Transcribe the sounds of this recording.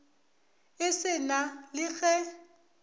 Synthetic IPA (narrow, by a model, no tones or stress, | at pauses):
ɪsɪnalɪɣɛ